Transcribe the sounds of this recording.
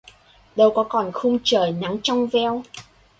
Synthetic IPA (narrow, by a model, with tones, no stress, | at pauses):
ɗə˧wkɔ˨˦kɔ˨˩nxʊ˧ŋ͡mt͡ɕəː˨˩jna˨˦ŋt͡ɕɔ˧wŋ͡mvɛ˧w